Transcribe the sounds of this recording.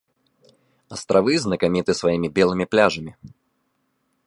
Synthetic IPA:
ɐst̪ɾavɨznɐkamʲit̪ɨsvajimʲibʲɛlˠɨmʲiplʲaʐɐmʲi

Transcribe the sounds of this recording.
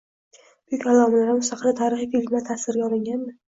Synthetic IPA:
b̥ʊjykʲalɒmɪlaɾɪmʊsaqʰɨlɪt̪ʰaɾɪχijfilmlat̪ʰasɪɾɡʲaɒlɪŋɡʲand̪ɪ

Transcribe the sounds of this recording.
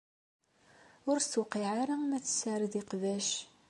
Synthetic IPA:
ʊɾst̪ːwqiʕaɾamæθə̥sːaɾðɪqvæʃ

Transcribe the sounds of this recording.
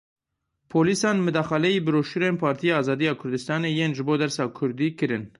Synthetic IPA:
pʰoːlisɑːnmɨd̪ɑːxɑlɛjiːbɨɾoːʃuɾeːnpʰɑːɾt̪ʰijɑːɑːzɑːd̪ijɑːkʰʊɾd̪ɨst̪ɑːneːjeːnʒɨboːd̪ɛɾsɑːkʰʊɾd̪iːkɨɾɨn

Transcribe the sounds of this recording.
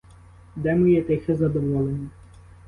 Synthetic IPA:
d̪ɛmɨjɛt̪ɛxɛzɐd̪ɔʋɔlˠenʲi

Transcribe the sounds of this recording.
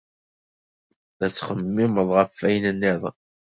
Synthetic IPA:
ðæt͡sːχəmːɪməðˤʁəfæjnənːɪðˤ

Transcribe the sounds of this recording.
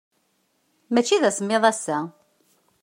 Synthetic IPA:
mæt͡ʃːiðæsmːeðˤæsːæ

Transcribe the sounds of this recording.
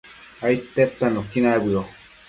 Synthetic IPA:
ait̪ːet̪ːanokinaβiɾo

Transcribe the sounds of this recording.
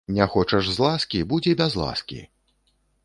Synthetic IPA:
nʲɛxɔt͡ʂɐʐzlˠaskʲibud͡zʲɛbʲazlˠa̰skʲḭ

